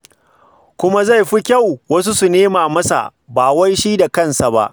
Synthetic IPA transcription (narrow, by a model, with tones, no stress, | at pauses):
kʷʊ˦ma˦za˦˨jɸi˦kʲa˦˨wwɐ˦s̬u˦su˨neː˦maː˨mɐ˦sa̰˨ʔbaː˨wa˦jʃi˦da˨kɐ˦˨nsa˨ba̰˦ʔ